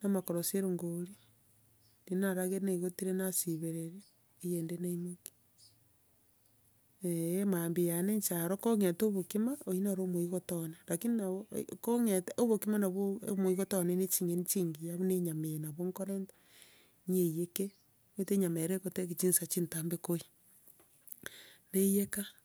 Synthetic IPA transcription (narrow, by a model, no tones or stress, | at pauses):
namakoɾoseɾoŋɡoɾi | ninaɾaɣeneiɣotiɾenasiβeɾeɾeː | jendenaimeki̥ | eemambijaneɲt͡ʃaɾokoŋetoβokimaoinaɾomoiɣotonelakininao̰koŋeteoβokimanaβo̰moiɣotonenet͡ʃiŋent͡ʃiŋɡijaβoneɲamejnaβoŋkoɾentḁ | ɲejeke | weteɲameɾekotekit͡ʃinsat͡ʃintambekoi | nejeka